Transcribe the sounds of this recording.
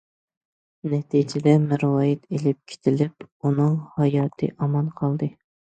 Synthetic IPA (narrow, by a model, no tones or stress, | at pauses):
nɛt̪ʰid͡ʒɪd̪ɛmɨɾwɑːjɪt̪ʰelɪp̚kʲʰe̥t̪ʰɪlɪpunɨŋhɑjɑːt̪ʰɨ̰ʔɑmɑnqʰɑlˠd̪ɨ